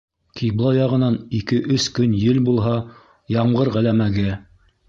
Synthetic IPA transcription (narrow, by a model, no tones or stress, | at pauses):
kʰijblˠɑjɑʁɤ̆nɑnikɘʔɵskɵnjɘlbulˠɦɑ | jɑɴʁɤɾʁælæmæɡæ